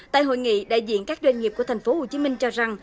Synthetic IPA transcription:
t̪a̰ː˧˨jɦo̰˧˨jŋḭ˧˨ɗa̰ː˧˨jzḭ˧˨ənkaː˦˥k̚zwa˧ŋ̟ŋi˨˩p̚ku˧˩ət̪ʰa˨˩jŋ̟fo˨˦ho˨˩t͡ɕi˨˦mï˧ŋt͡ɕɔ˧za˨˩ŋ

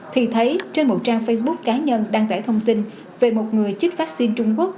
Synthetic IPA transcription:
t̪ʰi˨˩t̪ʰə˨˦jt͡ɕe˧nmo˨˩t̚t͡ɕaː˧ŋfə˧jsɓʊ˦˥kːaː˨˦ɲə˧nɗaː˧ŋt̪aː˧˩jt̪ʰə˧wŋ͡mt̪i˧n | ve˨˩mo˨˩t̚ŋɨ˨˩əjt͡ɕɨi˦˥k̟̚faː˦˥k̚si˧nt͡ɕʊ˧ŋ͡mku˦˥ək̚

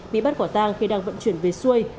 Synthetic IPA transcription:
ɓḭ˧˨ɓa˦˥t̚kɔ˧˩t̪aː˧ŋxi˧ɗaː˧ŋvə̰˧˨nt͡ɕwi˧˩ənve˨˩su˧əj

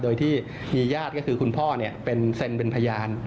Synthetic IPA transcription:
doː˧jt̪ʰiː˥˩ | miː˧jaː˥˩t̪̚kɔː˥˩kʰɯː˧kʰu˧npʰɔː˥˩ni˥˩ɐpe˧nse˧npe˧npʰa˧jaː˧n

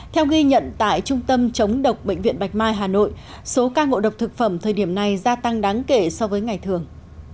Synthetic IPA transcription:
t̪ʰɛ˧wɣi˧ɲə̰˧˨nt̪a̰ː˧˨jt͡ɕʊ˧ŋ͡mt̪ə˧mt͡ɕə˨˦wŋ͡mɗə˨˩wk͡p̚ɓḛ˧˨ŋ̟vḭ˧ənɓa˨˩jk̚maː˧jɦaː˨˩no̰˧˨j | so˨˦kaː˧ŋo̰˧˨ɗə˨˩wk͡p̚t̪ʰɨ˨˩k̚fə˧˩mt̪ʰəː˨˩jɗi˧˩əmna˨˩jzaː˧t̪a˧ŋɗaː˨˦ŋke˧˩sɔ˧vəː˨˦jŋa˨˩jt̪ʰɨ˨˩əŋ

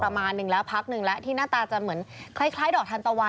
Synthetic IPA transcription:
a˧maː˧nːɯ˨˩ŋlɛː˦˥wpʰa˦˥k̚nɯ˨˩ŋlɛ˦˥t̪ʰiː˥˩naː˥˩t̪aː˧t͡ɕa˨˩mɯ˩˦ənkʰla˥˩jkʰlaː˦˥jdɔː˨˩k̚t̪ʰa˧nt̪a˧wa˧

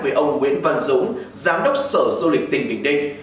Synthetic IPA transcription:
vəː˧˩ʔə˧wŋ͡mŋwḭ˧˥ənvə˧nzṵ˧˦ŋ͡m | zaː˨˦mɗə˦˥wk͡p̚səː˧˩zu˧lï˨˩k̟̚t̪ï˨˩ŋ̟ɓḭ˨˧˨əŋ̚ɗï˧ŋ̟

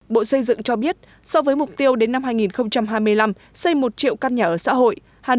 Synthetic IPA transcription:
ɓo̰˧˨sə˧jzɨ̰˧˨ŋt͡ɕɔ˧ɓi˦˥ət̚ | sɔ˧vəː˨˦jmʊ˨˩k͡p̚t̪i˧əwɗe˨˦nːa˧mɦaː˧jŋi˨˩nxə˧wŋ͡mt͡ɕa˧mɦaː˧jmɨ˧əjla˧m | sə˧jmo˨˩t̚t͡ɕḭ˧˨ə˨wkaː˧nɲaː˨˩ʔəː˧˩sa̰ː˧˥ɦo̰˧˨j | haː˨˩

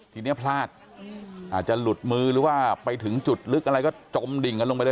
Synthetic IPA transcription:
kʰi˨˩ni˦˥˩pʰlaː˥˩t̪̚ | ʔaː˨˩t̪̚t͡ɕa˨˩lu˨˩t̪̚mɯː˧ɾɯː˩˦waː˥˩pa˧jt̪ʰɯ˩˦ŋt͡ɕu˨˩t̪̚lɯ˦˥kʔa˧ɾa˧jkɔː˥˩t͡ɕo˧mdi˨˩ŋka˧nlo˧pa˧jd

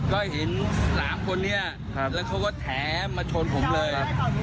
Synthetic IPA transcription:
kɔ˨˦˩hi˨˦n˧˦laː˨˦mkʰo˧nːi˧˥ə˧˩ | ləː˨˩xə˧wŋ͡mkɔ˨˦t̪ʰɛ˨˩˦maː˨˧˩t͡ɕʰo˧nkʰʊ̰˨˩˦ŋ͡mləː˨˧˩j

